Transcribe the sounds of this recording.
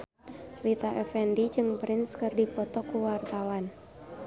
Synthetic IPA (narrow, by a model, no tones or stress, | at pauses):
lit̪aʔɛfɛndid͡ʒɨŋpɾɪnskərdipɔt̪ɔkuwart̪awan